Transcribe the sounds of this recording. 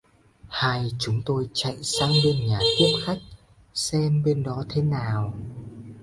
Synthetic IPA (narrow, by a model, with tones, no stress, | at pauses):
haː˧jt͡ɕʊ˨˦ŋ͡mt̪o˧jt͡ɕa̰˧˨jsaː˧ŋɓe˧nɲaː˨˩t̪i˦˥əp̚xa˦˥jk̚ | sɛ˧mɓe˧nɗɔ˨˦t̪ʰe˨˦naː˨˩w